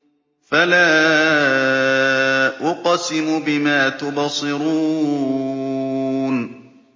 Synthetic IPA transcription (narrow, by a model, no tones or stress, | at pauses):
falaː | ʔʊqɑsɪmʊbɪmaːt̪ʊbɑsˤɨɾuː | n